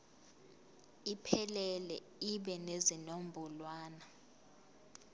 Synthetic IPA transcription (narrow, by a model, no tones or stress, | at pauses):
ipʰɛlɛlɛ̰ | iɓɛnezinom̩bʱulwaːna